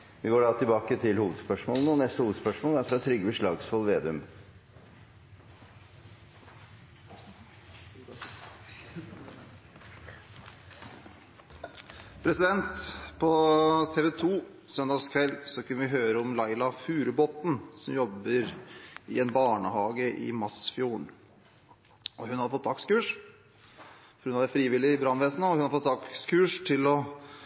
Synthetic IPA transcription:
ʋɪɡoːɖɑːt̪ʰɪlbɑːkət̪ʰɪlhuːʋəd̪spœʂmoːlənəɔnɛst̪əhuːʋəd̪spœʂmoːlæɾfɾɑːt̪ʰɾʏɡəəʂɭɑːɡsfɔlʋeːd̪ɛʉm | pʰɾɛsɪd̪ɛnt̪pʰɔt̪ʰeːʋɛt̪ʰuː | sœnd̪ɑːɡskʰʋɛlːsɔkʰʉnːəʋɪɦøːɾəɔmlɑɪlɑfʉːɾəbɔt̪n̩sɔmjɔbːəɾɪɛnbɑːɳəhɑːɡəʔɪ̰mɑsfjuːɳ | ɔɦʉnhɑd̪əfɔt̪ʰːd̪ɑkskʉːʂ | ɔɾʉnɑʋɛfɾiːʋɪlɪbɾɑnːʋɛːsnəɔhʉnɑfɔt̪d̪ɑkskʰʉːʂt̪ʰɪlɔ

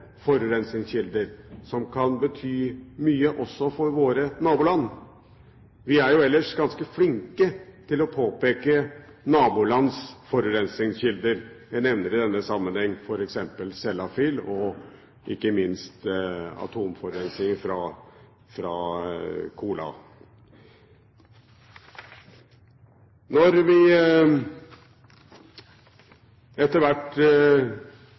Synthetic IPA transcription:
fɔɾʉɾɛnsɪŋsçɪld̪əɾsɔmkʰɑnbət̪ʰyːmyːəʔɔsːɔfɔɾʋoːɾənɑːbʊːlɑnː | ʋɪæɾjʊɛlːəʂɡɑnskəflɪŋkət̪ʰɪlɔpʰoːpeːkənɑːbulɑnsfɔɾʉɾɛnsɪŋsçɪld̪əɾjæɪnɛʋnəɾɪd̪ɛnːəsɑmːənhɛŋːfɔɾɛksɛmpəlsɛlːɑfɪlɔ | ʔɪkːəmɪnst̪ɑ̰t̪ʰuːmfɔɾɾɛnsnɪŋəfɾɑ | fɾɑː | kʰuːlɑ̰ | nɔɾʋɪ | ɛt̪ːəɾʋæʈ

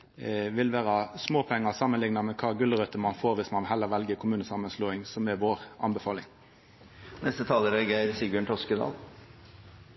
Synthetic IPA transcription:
ʋɪlʋæːɾɑsmoːpʰɛŋːəsɑmːənlɪŋnɑmɛkʰɑːɡʉlːəʁœt̪əmɑnfoːɾʋɪsmɑnʋ̪ɦɛlːəʁʋɛlɡəkʰʊmʉːnəsɑmənsloːɪŋsɔmɛʋoːʁɑ̰nbəfɑːlɪŋ | nɛst̪ət̪ʰɑːləɾɛɡeɾsibøːɳʈʰɔskəd̪ɑ̰ːl

